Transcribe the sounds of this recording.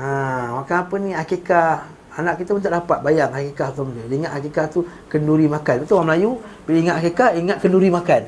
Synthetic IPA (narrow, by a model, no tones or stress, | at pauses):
amakanapənĩakekah | anãʔkit̪amənt̪aʔdapat̪̚bajaŋakekaht̪ɔmndəliŋat̪ʔakekaht̪u | kənduɾimãkanpat̪uwaməlajubiliŋat̪akekahiŋat̪̚kənduɾimãkan